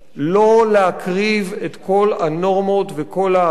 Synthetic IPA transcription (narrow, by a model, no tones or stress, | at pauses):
lo̞leakʁivetkʰo̞lano̞ʁmo̞tveko̞la